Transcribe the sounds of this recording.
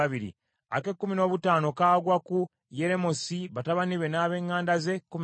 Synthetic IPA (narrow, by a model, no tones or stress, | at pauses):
aβiɾḭ | a̰ke̞kːumino̞ːβutaːno̞kaːɡwaku | je̞ɾe̞mosiβataβaniβe̞naːβe̞ːŋːaːndaze̞kum